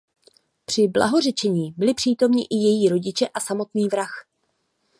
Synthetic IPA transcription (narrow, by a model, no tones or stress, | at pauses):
pr̝̥ɪbla̰ɦo̞r̝ɛt͡ʃɛɲiːbɪlɪpr̥iːt̪o̞mɲɪʔɪjɛjiːɾo̞ɟɪt͡ʃɛʔasamo̞t̪niːvɾax